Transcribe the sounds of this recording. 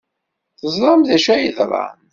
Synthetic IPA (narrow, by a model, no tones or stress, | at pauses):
θəzˤɾˤɑmðæʃæjəðɾˤɑ̰n